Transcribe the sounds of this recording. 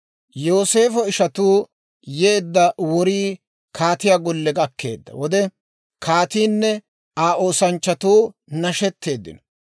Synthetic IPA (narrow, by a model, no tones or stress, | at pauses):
joːse̞ːfɔɪʃɐt̪uː | jeːd̪ːɐwɔɾiː | kʰaːt̪ɪjaːɡɔlːɛɡɐkːe̞̰ːd̪ːɐ̰wɔd̪ɛ | kʰaːt̪iːnːɛ | aːʔo̞ːsɐnt͡ʃːɐt̪uːnɐʃɛt̪ːe̞ːd̪ːɪ̰nɔ̥